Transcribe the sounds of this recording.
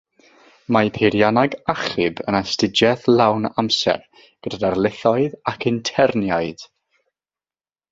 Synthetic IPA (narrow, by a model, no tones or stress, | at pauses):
mapʰeɾjanaɡaχɪbə̰nastɪd͡ʒɛθlˠawnamsɛ̰r | ɡ̥ədadarlˠɪθɔɨðakʰɪntʰɛrnjaɨd̥